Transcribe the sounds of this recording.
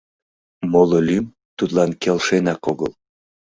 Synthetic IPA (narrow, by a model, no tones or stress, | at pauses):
mololʲym | t̪ut̪lɑnkelʃenɑkoɣəl